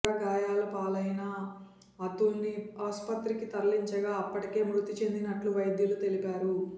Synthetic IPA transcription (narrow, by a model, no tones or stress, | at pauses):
aɡaːjaːlɐpaːlɐjnɐ | ɐt̪ːulniaːspɐt̪ɾikit̪ɐɾɐliɲt͡ʃɐɡaːɐpːɐʈike̞ːmɾut̪it͡ʃe̞nd̪inɐʈluʋɐjd̪jɐlut̪e̞lipaːɾu